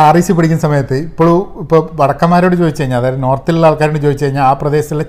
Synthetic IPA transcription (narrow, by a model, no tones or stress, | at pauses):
ariːɕip̬ːeɽikʲːunːɐsɐmɐjɐt̪ːɨipːoːɭuipːoːʋɐɽɐkːɐmaːɾo̞ːɽɨt͡ɕoːðit͡ɕːɐjiɲːalɐðaːjɾno̞ːrt̪ːililːɐːlkaːɾoːɳɨt͡ɕo̞ːðit͡ɕːt͡ɕɐɻiɲːaːlaːprɐd̪e̞ːɕɐt̪ːile